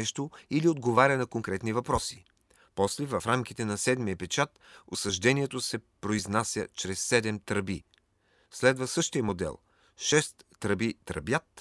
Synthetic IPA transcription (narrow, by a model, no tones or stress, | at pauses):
ɛʃt̪oiliod̪ɡovaɾʲənɐkoŋkɾɛt̪nivɐpɾɔsi̥ | pɔslɛvɐfɾamkʲit̪ɛnɐsɛd̪mijəpɛt͡ʃat̪osɐʒd̪ɛniɛt̪osɛpɾoiznasʲjə̰t͡ʃɾɛsːɛd̪ɛmt̪ɾəbḭ | slɛd̪vɐsɤʃt̪ijəmod̪ɛ̰lˠ | ʃɛst̪ːɾəbit̪ɾə̰bjat̪